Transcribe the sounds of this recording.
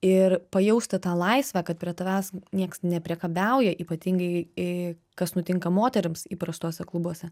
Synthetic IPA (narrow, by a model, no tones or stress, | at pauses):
ɪɾpɐjɛʊsʲt̪ʲɐt̪ɑːlˠɐɪsʲʋʲæːkɐt̪̚pʲɾʲiɛt̪ɐʋʲæːsnʲiɛksnʲɛpʲɾʲiɛkɐbʲɛʊjɛʔiːpɐt̪ʲiːŋɡɐɪ | kɐsnʊt̪ʲɪŋkɐmoːt̪ʲɛɾʲɪmsiːpɾɐst̪oːsʲɛklˠʊbuɔsʲɛ